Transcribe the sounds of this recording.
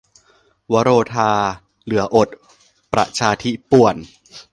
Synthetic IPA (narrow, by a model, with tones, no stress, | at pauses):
wa˦˥ɾoː˧t̪ʰaː˧ | lɯ˨˩˦ɐʔo˨˩t̪̚ | pɾa̰˨˩t͡ɕʰaː˧t̪ʰi˦˥pu˨˩ən